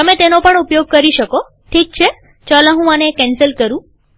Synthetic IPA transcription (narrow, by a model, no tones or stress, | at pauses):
əmet̪enopəɳupjoɡ̚kəɾiʃəko | ʈʰik̚t͡ʃʰe | t͡ʃalãɦũənekːɛnsəlkəɾũ